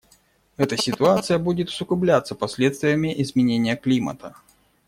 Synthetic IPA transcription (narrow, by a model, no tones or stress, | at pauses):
ɛt̪əsʲɪt̪ʊat̪sɨjəbudʲɪt̪ʊ̥sʊkʊblʲat̪səpɐsʲlʲet̪st̪vʲɪjəmʲɪʔizmʲɪnʲenʲːɪjəklʲimɐ̰t̪ə